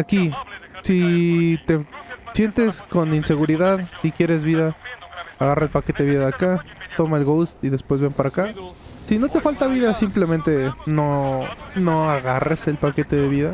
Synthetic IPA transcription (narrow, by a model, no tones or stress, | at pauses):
akisit̪e̞sje̞nt̪e̞sko̞ninse̞ɣuɾiðaðsikje̞ɾe̞zβiðaaɣaraelpake̞t̪e̞ðiðaðakat̪o̞maelɣowst̪iðe̞spwezβempaɾakasino̞t̪e̞falt̪aβiðasimple̞mẽnt̪e̞nono̞aɣarese̞lpake̞t̪e̞ðe̞βiða